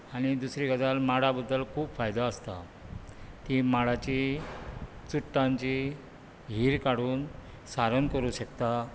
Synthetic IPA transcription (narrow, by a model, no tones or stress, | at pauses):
aɽ̃id̪usɾiɡad͡z̪almaɽabəd̪ːəlkʰuːpfajd̪aəst̪a̰ | t̪imaɽat͡ɕi | t͡suʈːãɲt͡ɕi | ɦiːɾkaɽuːn | saɾənkəɾuːɕəkt̪a